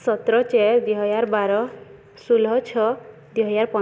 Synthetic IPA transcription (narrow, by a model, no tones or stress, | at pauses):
sɔt̪ɾɔt͡ʃeɾd̪iɦɔjaɾbaɾɔ | sulɦɔt͡ʃʰɔ | d̪iɦɔjaɾpɔ